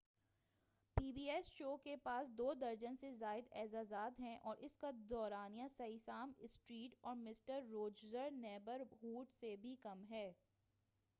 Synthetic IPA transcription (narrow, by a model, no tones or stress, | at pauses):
piːbiːɛsʃoːkepaːsd̪oːd̪ɐɾd͡ʒənsezaːɪd̪ɛːzaːzaːd̪ɦɛ̃ʔɔːɾʔɪskad̪ɔːɾaːnijãsɐisaːmɪsʈɾiːʈɔːɾmɪsʈəɾːoːd͡ʒzəɾnɛːbəɾɦuːʈsebʱikɐmɦɛː